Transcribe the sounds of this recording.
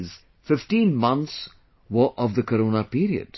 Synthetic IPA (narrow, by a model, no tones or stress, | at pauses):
z | fɪfʈĩːnmʌ̃nt̪s | ʋəʔɔʋd̪əkəɾoːnapiːɾiə̰ɖ̥